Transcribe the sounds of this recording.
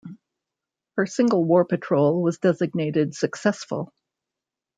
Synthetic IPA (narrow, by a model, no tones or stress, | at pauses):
hə˞sɪ̃ŋɡl̩ˠwɔɹpɨtʰɹ̥oʊlˠwʌzdɛzɨɡ̚neɪɾɨdsɨksɛsfə̰l̩ˠ